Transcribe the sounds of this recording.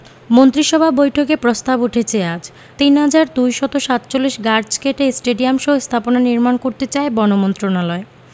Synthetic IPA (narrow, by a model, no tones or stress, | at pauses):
mont̪ɾiʃɔbʱabojʈʰokepɾost̪abuʈʰet͡ɕʰead͡ʑ | t̪inɦad͡ʑaɾd̪ujʃɔt̪oʃat̪t͡ɕolːiʃɡaɾd͡ʑkeʈesʈeɖiamʃoɦost̪ʰaponaniɾmankoɾt̪et͡ɕaebɔnomont̪ɾonalɔe